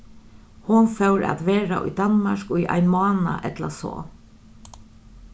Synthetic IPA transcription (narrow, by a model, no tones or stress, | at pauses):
hʊnfɛwɾa̰t̪ʋeːɾa̰ʔʊ̰jd̪anmaʃkʊjʔa̰jnmɑːnaʔɛt̪lasɔ̰ː